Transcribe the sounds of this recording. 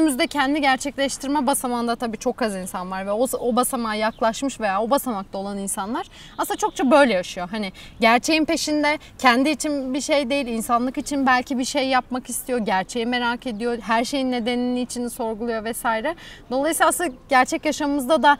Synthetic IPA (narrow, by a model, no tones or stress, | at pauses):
ymyzd̪ɛcʰɛnd̪iɟæɾt͡ʃʰɛclʲɛʃt̪ʰiɾmɛbasamand̪at̪ʰabiːt͡ʃʰo̞kazinsanvaɾvɛoobasamaːjaklˠaʃmɯʃve̞jaːo̞basamakt̪ʰao̞lˠaninsanlˠaɾ̥ | aslˠat͡ʃʰo̞k̚t͡ʃʰabø̞jlʲɛjaʃɯjo̞ɦanɪɟæɾt͡ʃʰe̞jinpe̞ʃind̪ɛ | cʰɛnd̪iːt͡ʃʰinbiʃe̞jd̪e̞jilʲinsanlˠɯkit͡ʃʰinbælʲcʰibiʃe̞jːapmakist̪ʰijo̞ɟæɾt͡ʃʰe̞jime̞ɾaːkʰe̞d̪ijo̞ɦæɾʃe̞jinːe̞d̪e̞niniːt͡ʃʰiniso̞ɾɡulˠujo̞vɛsaːjɾɛd̪o̞lˠajsiːaslˠɟæɾt͡ʃʰɛcjaʃamɯmɯzd̪ad̪a